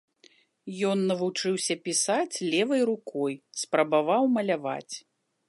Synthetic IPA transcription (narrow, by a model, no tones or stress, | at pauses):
jɔnːɐvut͡ʂɨwsʲɐpʲisat͡sʲlʲɛvɐjɾukɔjspɾɐbavawmɐlʲava̰t͡sʲ